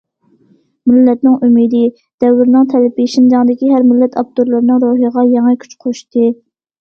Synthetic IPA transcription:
mɪlːɛt̪nɪŋʔymid̪ɪ | d̪̥ɛwːɪɾnɨŋt̪ʰɛlɪpɪʃind͡ʒɑŋd̪ɪkʲiɦæɾmɪlːɛt̪ʰɑp̚t̪oɾlˠɨɾnɨŋɾoɦiʁɑjɑŋɨkʲʰy̥t͡ʃqʰoʃt̪ɨ

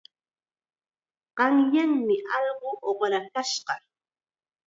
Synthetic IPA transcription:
ɢ̥ɑŋjaŋmɪʔɑʎɢoʔoχɾakaʃɢɑ

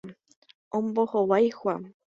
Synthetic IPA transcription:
õmbohowajhʷa

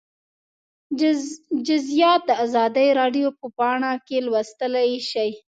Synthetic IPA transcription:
d͡ʒʊzijɑt̪̚d̪əazɑd̪əjɾɑɖjopəpɑɳakelwast̪əlaʃaj

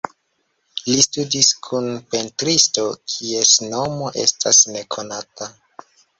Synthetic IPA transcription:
listudiskʰunpe̞ntɾisto̞kʰie̞sno̞mo̞ʔe̞̰stʰasne̞kʰo̞nata

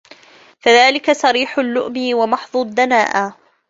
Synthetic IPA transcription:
faðaːlɪkasɑɾiːħʊlːʊʔmiwamɑħðˤʊd̪ːanaːʔa

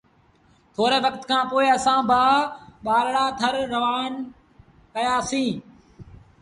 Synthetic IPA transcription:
t̪ʰoːɾeːʋəkt̪kʰãːpoːɪəsãːbʱaːɓaːlɽaːt̪ʰəɾːəʋaːn | kəjaːsĩː

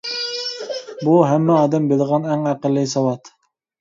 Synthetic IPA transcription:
buɦæmːɛɑːd̪ɛmbelˠʁɑnæŋæqəlːɨsɑwɑt̪

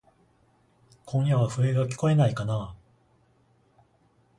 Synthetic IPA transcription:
kʰõ̞ɰ̃jaβaɸɯ̟e̞ɡakʲi̥ko̞e̞naikana

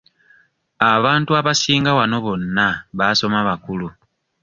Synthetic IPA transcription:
aβaːntuaβasiːŋɡawano̞βo̞nːaβaso̞maβakulu

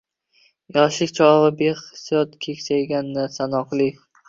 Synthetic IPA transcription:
jɒʃɪkʲt͡ʃʰɒvabeɨ̥sjɒt̪kʲʰekʲsajɡʲanːɪsanɒqlˠɪ

